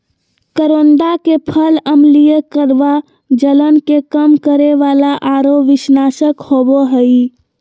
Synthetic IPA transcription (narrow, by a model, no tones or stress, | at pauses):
kəɾonɖ̪akepʰələmlijəkəɾʋa | d͡ʒələnkekəmkəɾeʋalaʔaɾoʋisnasəkhoboɦəi